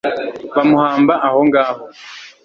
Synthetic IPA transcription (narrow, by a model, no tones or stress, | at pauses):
βamuhaːmbaʔaho̞ŋɡaːho